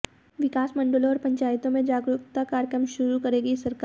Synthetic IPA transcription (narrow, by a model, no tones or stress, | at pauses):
ʋɪkaːsmɐ̃ɳɖəlõɔːɾpɐ̃ɲt͡ʃaːjt̪õmẽd͡ʒaːɡɾʊkt̪akaːɾkɾəmʃʊɾukɐɾeːɡisɐɾkaː